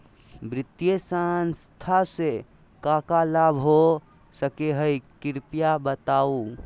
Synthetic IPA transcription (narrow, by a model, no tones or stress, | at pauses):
bɾit̪jesanst̪ʰase | kãkalabʱɦo | səkeɦəjkiɾpjabət̪au